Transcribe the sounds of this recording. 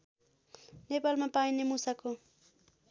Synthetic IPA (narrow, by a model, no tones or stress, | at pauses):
nepalmapajnɪmʊsakʊ